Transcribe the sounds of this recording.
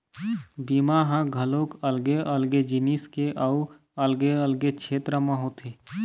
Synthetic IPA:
biːmaɦãɡʱəlokəlɡeʔəlɡed͡ʒiniskeʔau | əlɡeəlɡet͡ʃʰeːt̪ɾəmãɦot̪ʰeː

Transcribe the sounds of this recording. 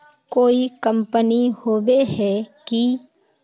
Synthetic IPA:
koːikə̃mpənihoːʋeɦɛki

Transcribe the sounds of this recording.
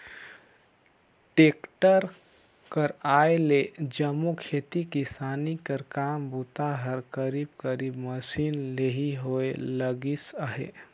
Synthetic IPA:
ʈekʈəɾ | kəɾaeled͡ʒəmːukʰet̪ikisanikəɾkambut̪aɦəɾkəɾib̚kəɾibməsinleɦiɦoeləɡisəɦḛ

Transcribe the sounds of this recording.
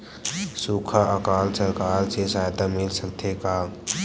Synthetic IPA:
suːkʰaəkaːlsəɾkaːɾsesaːjt̪amɪlsəkt̪ʰeka

